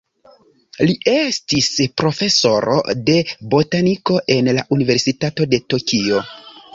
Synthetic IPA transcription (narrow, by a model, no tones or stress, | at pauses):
liʔe̞stispɾo̞fe̞so̞ɾo̞̰de̞bo̞taniko̞ʔe̞nlaʔunive̞ɾsitato̞de̞to̞kio̞